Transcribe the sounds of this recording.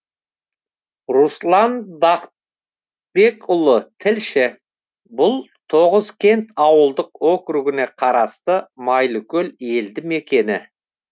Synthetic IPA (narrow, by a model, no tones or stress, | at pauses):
ruslˠɑnbɑq | be̞kʊlˠət̪ʰɪlʃɪ | bʊlˠt̪ʰo̞ʁəzkʲʰe̞nt̪ɑwəlˠd̪əqwokɾuɡɪne̞qʰɑɾɑst̪əmɑjlˠʊkʲɵle̞ld̪ɪme̞kʲe̞nɪ